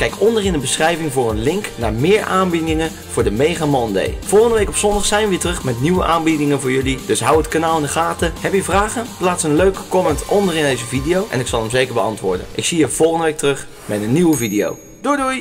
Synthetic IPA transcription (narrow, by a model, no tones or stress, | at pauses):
kɛjkɔndərɪndəbəsχrɛjvɪŋvʊːrənlɪŋknaːɹmɪːɹʔaːnbidɪŋə | v̥ʊːɹdəmejχamɔndḛjv̥ɔlˠχəndəʋejkɔpsɔndɑχsɛjnʋɪːtrɵχmɛtniʋəʔaːnbidɪŋəvʊːɹjɵlid̥ɵsɦʌwətkanaːlˠɪndəχaːtəhɛpjəvraːχənplaːtsənløɥkə̥kɔmɛntʔɔndərɪndejzəvidijowʔɛ̰nɪksɑlˠəmzejkəɹbəɑ̰ntʋʊ̰ːɹdə̰nʔɪksiəv̥ɔlˠχəndəʋejk̚tərɵχ | mɛtənːywəvidijo̰w | d̥uduj